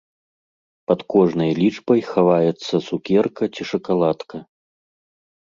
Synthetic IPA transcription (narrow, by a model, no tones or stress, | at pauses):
pɐt̪kɔʐnɐjlʲit͡ʂbɐjxavajɛt̪sːɐsukʲɛrkɐt͡sʲiʂɐkalˠat̪kʰɐ